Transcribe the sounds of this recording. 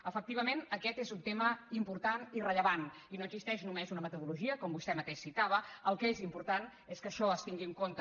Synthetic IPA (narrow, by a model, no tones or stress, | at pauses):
əfək̚t̪iβəmenəkɛt̪ezunt̪eməimpuɾt̪anirəʎəβan | inoəɡzist̪ɛʃnumezunəmət̪uðuluʒiəkɔmbust̪ɛmət̪eʃsit̪aβ̞əəlˠkezimpuɾt̪aneskəʃɔəst̪iŋɡiəŋkont̪ə